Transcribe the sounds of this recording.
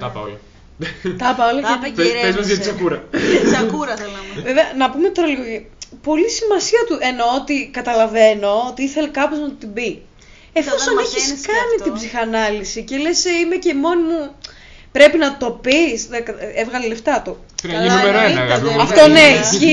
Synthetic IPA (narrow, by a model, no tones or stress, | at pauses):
t̪ɐpl | t̪ɐpɐolɐezɐɐit͡sɐkuɾɐɐkuɾɐveveɐnɐpumet̪oɾɐloɣoʝi | po̞lisimɐsiɐt̪uʔenoot̪ikɐt̪ɐlɐve̞no̞ot̪iiθe̞lekɐpo̞znɐt̪ot̪ibi | efossɐneçisskɐnit̪ibzixɐnɐlisice̞le̞seimecemo̞nimu | pɾe̞pinɐt̪o̞pisðekɐevɣɐleleft̪ɐt̪o | ɐimeɾoeɐɐftt̪oneisi